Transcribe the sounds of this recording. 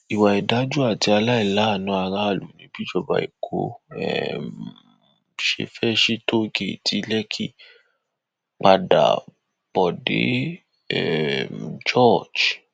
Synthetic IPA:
i˨wa˨ɛ˨da˨˦d͡ʒu˦a˦˨ti˧a˧la˦i˦˨la˨˦˨nũ˨˧˦a˧ɾa˦˨lu˨nĩ˨˦bi˦d͡ʒɔ˧ba̰˨ḭ˨kʰo̰˧ɛ̰˦˨ | ʃḛ˧fɛ˦ʃi˦to˦ɡe˦˨tʰi˧˦lɛ˦kʰi˦ | k͡pa˧da̰˨ | b̥ɔ˨dḛ˨˦ | ɛ˨md͡ʒɔ˦˨d͡ʒ

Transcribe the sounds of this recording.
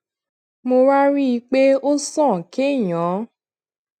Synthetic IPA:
mo˧ɾa˦ɾi˦i˧k͡pe˦o˦sɔ̃˦˨ke˦˨jɔ̃˨˦

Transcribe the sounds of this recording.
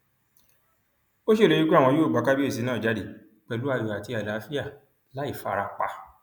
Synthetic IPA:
o˦ʃe˦˨e˧˦i˦k͡pe˦a˦˨w̃ɔ̃˧joː˦˨ɡ͡ba˨˦ka˦bi˦e˦˨s̬i˨˧˦nãː˦˨d͡ʒa˨˦de˨ | k͡pɛ˧lu˨˦a˦˧˨jɔ˨a˨ti˧˦a˨la˨˦fi˦a˦˨ | la˨˦i˦˨fa˧ɾa˧˨k͡pa̰˧

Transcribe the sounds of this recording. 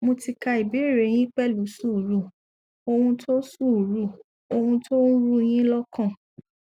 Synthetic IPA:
mo˧ti˧ka˧i˨bi˨˦e˦˨ɾe˨˦j̃ĩ˦k͡pɛ˦˨lu˨˦su˦˨ɾu˦˨ | o˧hũ˧tʰo˦su˦˨ɾu˦˨ | o˧hũ˧tʰo˦n̩˦ɾu˦j̃ĩ˦lɔ˦kʰã˦˨

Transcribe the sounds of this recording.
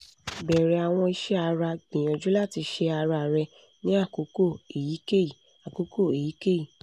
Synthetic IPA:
bɛ˨ɾɛ˨˦a˨w̃ɔ̃˧i˧ʃɛ˦a˧ɾa˧ɡ͡bĩ˨ɔ̃˨d͡ʒu˨˦la˦˨ti˧ʃe˧a˧ɾa˧˨ɾɛ˧ | nĩ˦a˦˨ko˨˦ko˦˨e˨ji˨˦ke˦i˨ | a˨ko˨˦ko˦˨e˨ji˨˦ke˦i˦˨

